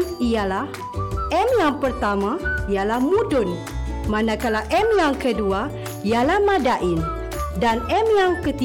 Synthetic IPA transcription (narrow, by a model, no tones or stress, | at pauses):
nijalah | ɛmjaŋpərt̪amaijalahmudʊn | manãkalawʔɛmjaŋkədua | ijalahmadaʔɪn | danɛmjaŋkət̪i